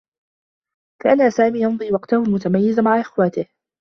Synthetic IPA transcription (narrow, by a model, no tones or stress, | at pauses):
kaʔanasaːmiːjɑnd̪ˤiːwɑqt̪ahʊlmʊt̪amajːɪzmaʕaʔɪxwaːt̪ɪh